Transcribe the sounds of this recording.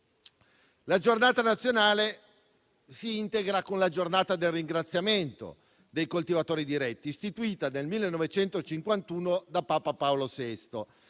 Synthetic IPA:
lad͡ʒornaːt̪anat̪sːjonaːle | siint̪eɡɾakonlad͡ʒornaːt̪ad̪elrːiŋɡɾat̪sːjament̪o̰ | d̪ejkolt̪ivat̪oːɾid̪iɾɛt̪ːiːst̪it̪uiːt̪anelmilːenːɔvet͡ʃɛnt̪ot͡ʃiŋkwant̪uːnod̪apaːpapaolosɛst̪o

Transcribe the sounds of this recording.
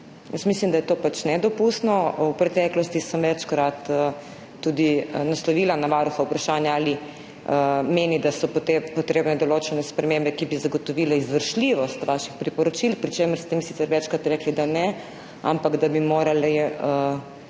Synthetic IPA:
jəsmis̬limd̪ajɛt̪oːpat͡ʃnɛd̪ɔpust̪nɔwpɾɛt̪ɛklɔst̪isəmʋɛt͡ʃkɾat̪əː | ud̪inaslɔʋiːlanaʋaɾuxaupɾaʃanjaaːli | əmeːnid̪asɔpot̪epɔt̪ɾeːbnɛd̪ɔloːt͡ʃɛnɛspɾɛmẽmbɛkibizaɡɔt̪ɔʋilaizʋəɾʃliʋɔst̪ʋaʃixpɾipɔɾɔt͡ʃilpɾit͡ʃeːməɾst̪ɛmisit̪sɛɾʋɛt͡ʃkɾat̪ɾɛːklid̪anɛ | a̰mpaɡd̪abimoːɾaliə

